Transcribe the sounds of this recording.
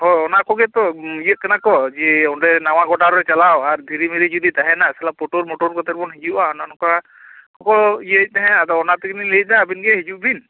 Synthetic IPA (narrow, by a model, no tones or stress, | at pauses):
ɦɔjɔnakɔɡɛt̪ɔijəʔ̚kanakɔd͡ʒɛɔnɾɛnaw̃aɡɔʈaɾɛt͡ʃalawaɾd̪ʱiɾimiɾid͡ʒud̪it̪aɦɛnasɛlapːɔʈoɾmɔʈɔɾkɔt̪ɛɾ̚bɔnɦid͡ʒuʔaɔnanɔkɔa | kɔkɔijəc̚ˀt̪ɛɦɛ̃ad̪ɔɔnat̪ɛɡinilec̚ˀnaːbinɡɛɦid͡ʒuʔbin